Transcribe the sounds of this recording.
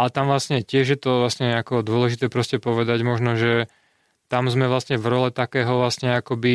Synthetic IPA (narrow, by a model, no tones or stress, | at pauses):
alɛt̪amʋlasɲɛcɪɛʒjɛt̪ɔʋlasɲɛakɔd̪ʊɔlɛʒit̪ɛːpɾɔscɛpɔʋɛd̪aɟmɔʒnɔʒɛ | t̪amzmɛʋlasɲɛvɾɔlɛt̪akɛːɦɔʋlasɲɛakɔbi